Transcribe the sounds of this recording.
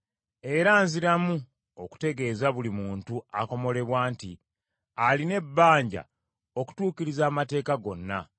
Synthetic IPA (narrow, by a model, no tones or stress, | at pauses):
e̞ɾaːnziɾamu | o̞ku̥te̞ɡe̞ːzaβulimuːntuako̞mo̞le̞βwaːntḭ | aline̞bːaːɲɟa̰ | o̞ku̥tuːciɾizaːmate̞ːkaɡo̞nːa̰